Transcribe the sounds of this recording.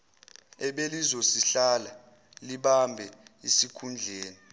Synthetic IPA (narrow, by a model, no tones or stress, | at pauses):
ɛɓelizosiɬala | liɓambʱɛisikʰund͡ɮʱeːni